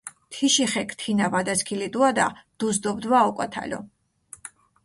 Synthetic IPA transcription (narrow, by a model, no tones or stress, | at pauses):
t̪ʰiʃiχɛkʰt̪ʰinavad̪askʰilid̪ʼuad̪a̰d̪̥uzd̪ɔbd̪vaɔkʼwa̰t̪ʰa̰lʲɔ̰